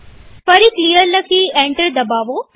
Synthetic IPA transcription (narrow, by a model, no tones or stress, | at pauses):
pɐɾikliːələkʰiẽːɳʈəɾd̪ɐbaːʋo